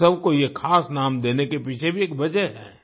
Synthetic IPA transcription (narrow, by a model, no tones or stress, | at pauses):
ɐbʱkojekʰaːsnaːmd̪eːnekepit͡ʃʰebʱieːk̚bɐd͡ʒəeɦɛ̰ː